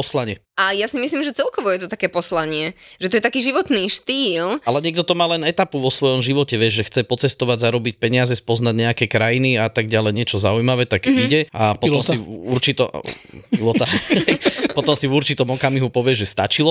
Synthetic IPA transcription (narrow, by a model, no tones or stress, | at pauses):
pɔslaɲɪɛ | ajasimisliːmʒɛt͡sɛlkɔʋɔjɛt̪ɔt̪akɛːpɔslaɲɪɛʒɛt̪ɔjɛt̪akiːʒiʋɔt̪niːʃt̪iːlalɛɲɪɛɡd̪ɔt̪ɔmaːlɛnɛt̪apuʋɔsʋɔjɔmʒiʋɔcɛʋɪɛʒʒɛxt͡sɛpɔt͡sɛst̪ɔʋaɟzaɾɔbic̚pɛɲɪazɛspɔznaɟɲɛakɛkɾajiniat̪aɡɟalɛjɲɪɛt͡ʃɔzaujmaʋɛːt̪aɡiɟɛapɔt̪ɔmsiṵɾt͡ʃit̪ɔpilɔt̪aɛpɔt̪ɔmsivuɾt͡ʃit̪ɔmɔkamiɦupɔʋɪɛʒɛst̪a̰t͡ʃilɔ